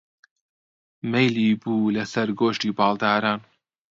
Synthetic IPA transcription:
mejliːbuːlɐsɐɾɡoːʃtiːbɑːlˠd̪aːɾaːn

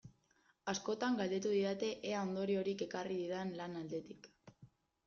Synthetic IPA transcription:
asko̞t̪aŋɡald̪e̞t̪uðiðat̪e̞ʔeaond̪o̞ɾio̞ɾike̞kariðiðanlanald̪e̞t̪ik

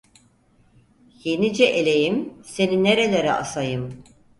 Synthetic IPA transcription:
je̞nid͡ʒɛʔelʲe̞jimse̞nineɾe̞lʲeɾɛ̰ʔa̰sajɯm

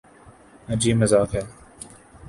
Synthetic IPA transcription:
əd͡ʒiːməzaːfɛː

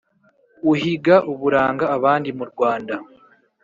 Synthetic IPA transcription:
uɦiɡaʔuβuɾaːŋɡaːβaːndimuɾɡwaːnda

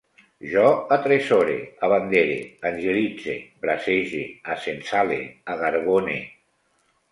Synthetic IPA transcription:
ʒɔat̪ɾɛsɔɾḛaβand̪eɾḛanʲʒelid͡zḛbɾaseʒeasensalḛaɣaɾɣonḛ

